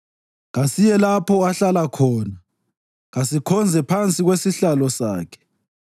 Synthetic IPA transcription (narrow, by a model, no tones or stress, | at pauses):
ɣasijɛlapʰɔaɬalakʰɔːna | ɣasikʰɔnd͡zʱɛpʰant͡sʼiɣwesiɬalɔsa̰ːkʰɛ̥